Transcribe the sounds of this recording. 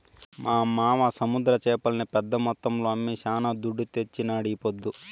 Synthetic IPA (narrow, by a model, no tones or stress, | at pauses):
mʔaːmaːʋɐsɐmud̪ɾɐt͡ʃɛːpɐlɐnɐpɛd̪ːɐmɔt̪ːɐmloːɐmːiʃaːnaːd̪uɖːut̪et͡ʃːinaːɽiːpod̪ːu